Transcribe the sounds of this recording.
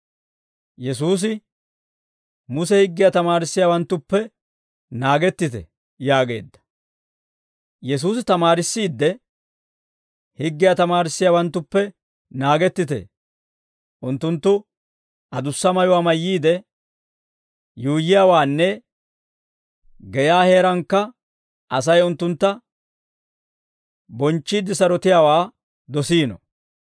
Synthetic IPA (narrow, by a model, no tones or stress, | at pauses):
jɛs̬uːs̬ɪ | mʊsɛhɪɡːɪjat̪ɐmaːɾɪsːɪjaːwɐnt̪ːʊpːɛ | naːɡɛt̪ːɪt̪ɛ̰ | jaːɡe̞̰ːd̪ːɐ̥ | jɛs̬uːs̬ɪt̪ɐmaːɾɪsːiːd̪ːɛ | hɪɡːɪjat̪ɐmaːɾɪsːɪjaːwɐnt̪ːʊpːɛ | naːɡɛt̪ːɪt̪ɛ̰ | ʔʊnt̪ːʊnt̪ːʊ | ɐd̪ʊsːɐmɐjʊwaːmɐjːiːd̪ɛ | juːjɪjaːwaːnːɛ | ɡɛjaːhe̞ːɾɐŋkːɐ | ʔɐs̬ɐjʊnt̪ːʊnt̪ːɐ | bɔnt͡ʃːiːd̪ːɪsɐɾɔt̪ɪjaːwaː | d̪ɔsiːnɔ̰